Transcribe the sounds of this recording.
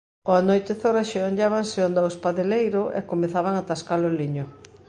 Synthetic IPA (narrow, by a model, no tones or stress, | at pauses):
oanojt̪ɪθoɾaʃeoɲaβaŋseond̪awespaðelejɾoʔḛkomeθaβaŋat̪askalʊliɲo